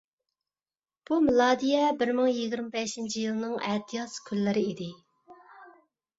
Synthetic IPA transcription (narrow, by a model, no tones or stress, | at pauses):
b̥umɪlˠɑːd̪ijɛbɪɾmɨŋjiɡʲiɾmɪbɛʃint͡ʃʰijilˠɨnɨŋɛt̪ʰijɑskʲʰylːɪɾɪid̪ɪ